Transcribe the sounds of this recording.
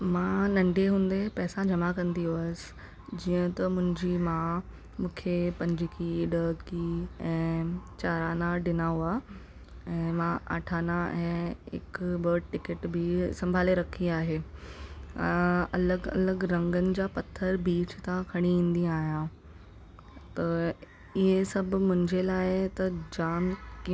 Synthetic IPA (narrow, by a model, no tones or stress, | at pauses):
mãːnɐ̃ɳɖʱeɦũːn̆d̪epɛːsãd͡ʑɐmakɐ̃nd̪ioːsɪ̥ | d͡ʑiːə̃t̪ɐmʊ̃ɦɪ̃ɲd͡ʑimã | mũːkʰepɐ̃ɲd͡ʑɪkiɖəːkiɛ̃ːt͡ɕaːɾaːnãɖɪnaːoa | ɛ̃ːmãʔa̰ːʈʰaːnaɛ̃ːɪ̰kbəʈɪkɪʈbɪsɐ̃mbʱaːleɾɐkʰiaːɦeː | ɐ̰ləɡɐ̰ləɡɾɐ̃ŋɡənɪ̆d͡ʑaːpɐt̪ʰəɾbiːt͡ɕt̪ãkʰɐɽ̃iĩːnd̪iaːɦjã | t̪ɐ | ɪɦesɐbʱmʊ̃ɦɪ̃ɲd͡ʑelaːɪt̪ɐd͡ʑaːmki